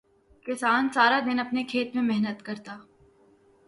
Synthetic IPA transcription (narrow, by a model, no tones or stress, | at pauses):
kɪsaːnsaːɾad̪ɪnɐpnekʰeːt̪mẽmɛɦnət̪kɐɾt̪aː